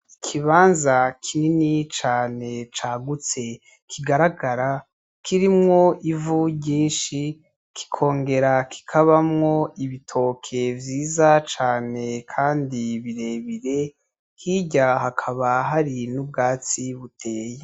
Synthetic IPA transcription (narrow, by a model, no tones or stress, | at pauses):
ikʰiβaːnzakʰininit͡ʃaːne̞t͡ʃaːɡut͡se̞ | kʰiɡaɾaɡaɾa | kiɾimŋo̞ʔivuɟiːnʃi | kʰi̥kʰo̞ːŋɡe̞ɾakʰi̥kʰaβamŋo̞iβitʰo̞kʰe̞vjiːzat͡ʃaːne̞kʰaːndiβiɾe̞βiɾe̞ | hiɟaɦakʰaβaɦaɾinubɡaːt͡siβutʰeːje